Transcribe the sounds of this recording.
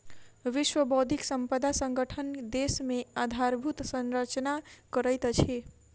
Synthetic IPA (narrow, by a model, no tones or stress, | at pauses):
ʋiʃwəbod̪ʱiksəmpəd̪asə̃ŋɡəʈʰənd̪esmead̪ʱaɾbʱut̪sə̃nɾət͡ʃnakəɾəjt̪t͡ʃʰe